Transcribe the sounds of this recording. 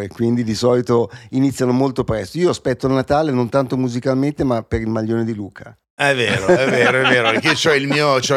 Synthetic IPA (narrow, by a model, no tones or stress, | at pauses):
ɾekwind̪id̪isɔːlit̪oinit̪sːjanomolt̪opɾɛst̪oiːoaspɛt̪ːoalnat̪aːlenont̪ant̪omuzikalment̪emapeɾilmaʎːoːned̪iluːkʰa | ɛvːeːɾoɛvːeːɾoɛveːɾoket͡ʃɔɛilmiːot͡ʃɛ